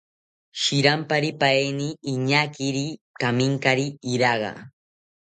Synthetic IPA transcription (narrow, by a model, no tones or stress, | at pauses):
ʃɪɾampaɾipajniːɲakɪɾi | kamɪŋkaɾiɾɑɢɑ̰